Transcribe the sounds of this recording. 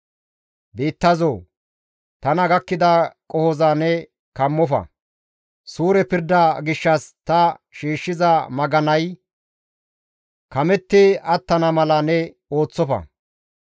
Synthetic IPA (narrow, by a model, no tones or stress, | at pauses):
biːt̪ːɐzoː | t̪ɐnɐɡɐkːɪd̪ɐkʼɔhɔzanɛ | kɐmːɔfɐ̰ | suːɾɛpɪɾd̪ɐɡɪʃːɐst̪ɐʃiːʃːɪzɐmɐɡɐnɐj | kɐmɛt̪ːɪɐt̪ːɐnɐmɐlɐnɛ | o̞ːt͡sːɔfɐ̰